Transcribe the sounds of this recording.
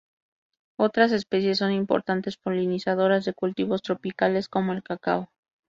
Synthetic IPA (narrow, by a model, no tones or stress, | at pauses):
o̞t̪ɾas̬e̞spe̞sje̞sːo̞nimpo̞̰ɾt̪ant̪e̞spo̞linisað̞o̞ɾazðe̞kult̪iβo̞st̪ɾo̞pikale̞sko̞moe̞lkaka̰o